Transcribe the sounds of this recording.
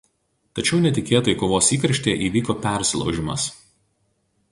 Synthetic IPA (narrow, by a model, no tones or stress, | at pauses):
t̪ɐt͡ʃʲɛʊnʲɛt̪ʲɪkʲeːt̪oːjɪkoːʋoːsiːkɾʲɐʃʲt̪ʲeːɛʔiːʋʲiːkoːpʲɛˑɾʲsʲɪlˠɐ̰ʊʒʲɪmɐ̰s